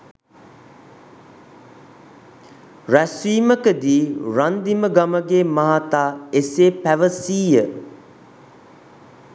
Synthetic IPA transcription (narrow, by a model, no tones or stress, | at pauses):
ræsiːməkəd̪iːɾand̪iməɡaməɡeːmaɦat̪aːeseːpæʋəsiːjə